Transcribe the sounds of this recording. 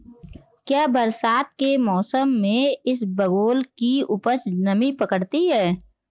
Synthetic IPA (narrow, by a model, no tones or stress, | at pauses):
kjaːbəɾsaːt̪̚kemɔːsəmːẽɪsbəɡoːlkiʊpət͡ʃnəmipəkəɽt̪iɦɛː